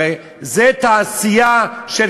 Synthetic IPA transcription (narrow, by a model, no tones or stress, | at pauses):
e | zɛt̪aːsijaʃel